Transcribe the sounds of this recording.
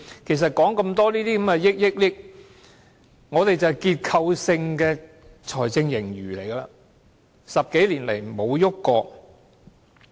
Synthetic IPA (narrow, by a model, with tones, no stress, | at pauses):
kʰe˨˩js̬ɐ˨t̚kɔː˨˥ŋkɐ˧mt̪ɔː˥liː˥t̪iː˥kɐ˨˦mkɛ˧jɪ˥k̚jɪ˥k̚lɪ˥k̚ | ŋɔː˨˧t̪e˨jt͡sɐ˨wkiː˧t̚kʰɐ˧wsɪ˧ŋkɛː˧ | t͡ʃʰɔː˨˩jt͡sɪ˧ŋjɪ˨˩ŋɥyː˨˩le˨˩jɡɐ˧la̰ː˧˥ | sɐ˨p̚ke˨˥jliː˨˩nlḛ˨˩jmo˨˧wjʊ˥kːɔː˧